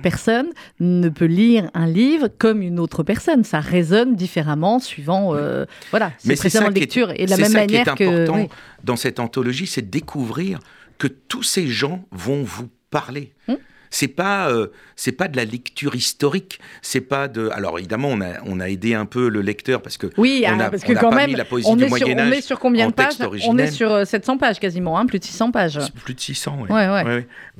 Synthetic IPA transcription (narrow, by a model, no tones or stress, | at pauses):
pɛʁsɔnː | əpøliʁɛ̃livʁkɔmynot̪χəpɛʁsɔnsaʁezɔnd̪ifeʁamɑ̃sɥivɑ̃ø̰vwalasmɛspχesedãɑ̃lɛt̪yʁḛd̪əlamɛmːanjɛʁt̪ɛ̃kəɔʁɑ̃d̪ɑ̃sɛt̪ɑ̃t̪ɔlɔʒisɛd̪əd̪ekʰuvʁiʁ | kət̪useʒɑ̃vɔ̃vupaʁle | sɛpaøsɛpad̪əlalɛkt̪yʁist̪ɔʁiksɛpad̪əa̰lɔ̰ʁḛvid̪amɑ̃ɔ̃na̰ɔ̰̃naed̪eɛ̃pøləlɛkt̪œʁpaʁsə̥kəwiaɔ̃napasə̥̃kəakɑ̃pmɛmilapɔezɔĩnɛmwajɛñãnɛsyʁkɔ̃bjɛ̃d̪ətpɛasʒɔʁiʒɔĩnɛɛlsyʁsɛt̪sɑ̃paʒkazimɑ̃ɛ̃plyd̪sisɑ̃paʒplyd̪sisɑ̃wɛwwɛwɛwɛwi